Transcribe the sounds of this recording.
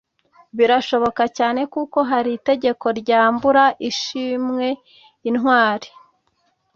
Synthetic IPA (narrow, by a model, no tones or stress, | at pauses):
βiɾaʃo̞βo̞kacaːne̞kuko̞ɦaɾite̞ɟe̞ko̞ɾɟaːmbuɾaʔiʃimŋe̞ | inɦwaːɾi̥